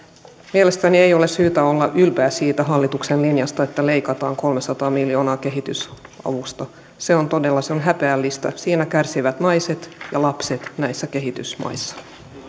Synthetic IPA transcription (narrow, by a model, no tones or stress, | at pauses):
mielest̪æniejo̞lessyːt̪æolːɑʔylpeːsiːt̪æɦɑlːit̪uksenlinjɑst̪ɑe̞t̪ːæleijkɑt̪ɑːŋko̞lmesɑt̪ɑːmiljo̞ːnɑːke̞ɦit̪ysɑ̰ʋust̪ɑ | se̞o̞nt̪odelːɑseonɦæpeælːist̪æ̰siːnækærsiʋæt̪nɑjset̪jɑlɑpset̪næisːæke̞ɦit̪ysmɑ̰isːɑ̥